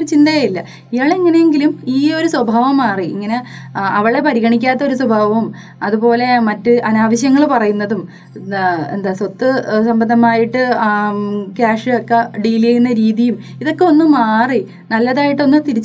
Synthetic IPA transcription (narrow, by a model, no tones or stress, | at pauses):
oɾut͡ɕind̪ɐjajilːɐ | ijaːɭeŋːɐnejeŋɡilumiːo̞ɾuswɐbʱaːʋɐmːaːriiŋːɐne̞ɐʋɐɭe̞pɐɾiɣɐɳikʲːaːt̪ːɐo̞ɾuswɐbʱaːʋɐmum | ɐðupo̞ːle̞mɐtːɨʔɐnaːʋɐɕjɐŋːɐɭpɐrɐjunːɐðum | end̪aːsot̪ːɨsɐmbɐnd̪ʱɐmaːjiʈːɨ | kaːʂɨokːeɖiliɐjnːɐɾiːðijum | iðo̞kːe̞o̞nːumːaːri | nɐlːɐðaːjiʈːo̞nːut̪iɾit͡ɕː